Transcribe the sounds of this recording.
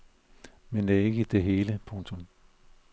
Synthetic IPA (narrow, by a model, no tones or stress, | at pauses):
mend̥æe̝ɡ̥əd̥e̝ɦe̝ːləpʰɔ̽ŋt͡sʰom